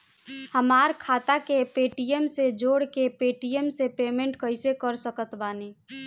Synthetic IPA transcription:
həmaːɾkʰaːt̪akepeːʈijəmsed͡ʒoːɽkepeːʈiəmsepeːmẽɳʈkəɪsekəɾsəkət̪baːni

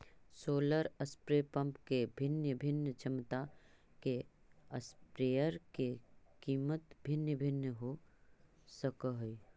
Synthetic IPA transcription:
soːləɾəspɾepə̃mpkebʱɪnjəbʱɪnjət͡ʃʰɪmt̪a | ke | əspɾejəɾkekiːmət̪bʱɪnjəbʱɪnjəɦo | səkəɦəi

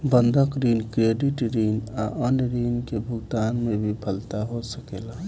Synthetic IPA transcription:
bənd̪ʱəkɾiːnkɾeɖiʈɾiːnaʔənɾiːnkebʱʊɡt̪aːnmebʱipʰəlt̪aɦosəkela

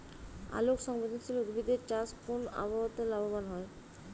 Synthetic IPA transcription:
a̰lokʃɔŋbod̪ʱonʃʰiloɡubʱid̪eɾt͡ɕaskona̰baot̪elabobanɦɔe

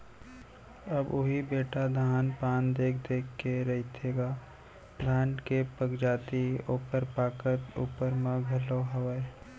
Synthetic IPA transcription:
əbʊɦibeːʈad̪ʱaːnpaːnd̪eːkʰd̪eːkʰːeɾɐɦit̪ʰeːɡaː | d̪ʱaːnkepəkd͡ʒaːt̪ioːpəɾpaːkət̪ṵːpəɾmãɡʱɐloɦəwəe

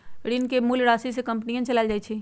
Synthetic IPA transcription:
ɽinkemulɽaːsisekə̃mpnijãt͡ʃɐlaːld͡ʒaːit͡ʃʰi

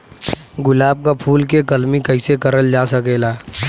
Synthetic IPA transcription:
ɡʊlaːb̚kapʰuːlk̬ekɐlmikəɪsekɐɾəld͡ʒaːsəkeːlaː

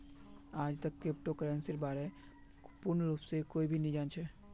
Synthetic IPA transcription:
aːd͡ʒt̪əkːep̚ʈokɾɛ̃nsɪɾbaːɾe | pʊɾnɾuːpsekoːibʱinĩd͡ʒaːnt͡ʃʰɛː

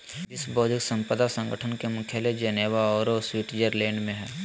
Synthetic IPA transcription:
ɪsbɔːd̪ɪksə̃mpəd̪asə̃ŋɡəʈʰənkemʊ̃kʰjaled͡ʒəneːʋaɔːɾoswiːʈd͡ʒəɾlɛ̃ːɳɖmẽɦɛː

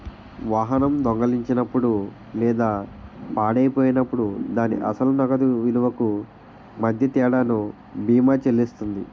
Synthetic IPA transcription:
ʋaːɦɐnɐmd̪ɔŋɡɐliɲt͡ʃinɐpːuɽu | lɛːd̪aːpaːɽɐjpoːjinɐpːuɽud̪aːnḭʔɐ̰sɐlunɐɡɐd̪uʋinuʋɐku | mɐd̪ʱjɐt̪ɛːɽaːnu | biːmaːt͡ʃelist̪und̪ḭ

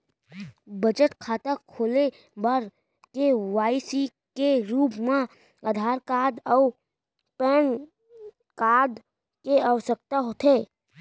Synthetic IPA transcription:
bəd͡ʒəʈkʰaːt̪akʰoːle | baɾ | keʋaːisi | keɾuːpmã | aːd̪ʱaːɾkaːd̪ɔː | pɛːn | kaːd̪ | keəʋsək̚t̪aɦot̪ʰeː

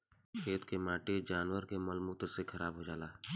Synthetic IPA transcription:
ʃeːt̪kemaːʈed͡ʒaːnwəɾkemɐlmuːt̪sekʰɐɾaːbɦoːd͡ʒaːlaː

